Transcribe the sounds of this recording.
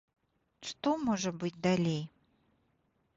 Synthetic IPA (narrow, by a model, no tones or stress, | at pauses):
ʂt̪ɔmɔʐɐbɨt͡sʲd̪alʲej